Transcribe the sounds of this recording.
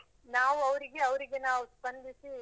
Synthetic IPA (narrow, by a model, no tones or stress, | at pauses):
naːʋuɐʋɾiɡeɐʋɾiɡe̞naːʋusbɐnd̪ʱisi